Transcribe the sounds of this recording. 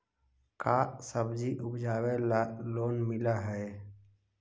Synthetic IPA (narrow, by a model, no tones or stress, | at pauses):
kasəbd͡ʒiʔʊpʰd͡ʒaːwelaloːnmɪlaɦɛe